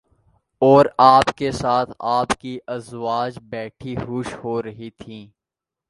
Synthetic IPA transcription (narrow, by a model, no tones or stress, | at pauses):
ɔːɾaːpkesaːt̪ʰaːpkiʔɐzʋaːd͡ʒbɛːʈʰiɦʊːʃhoɾɐɦit̪ʰĩː